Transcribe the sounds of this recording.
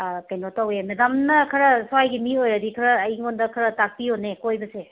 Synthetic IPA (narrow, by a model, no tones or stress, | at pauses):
kejnotawemedamnɐkʰɐɾɐsowajɡimiojɾɐdikʰɐɾɐːjŋondɐkʰɐɾɐtak̚pionekojbɐse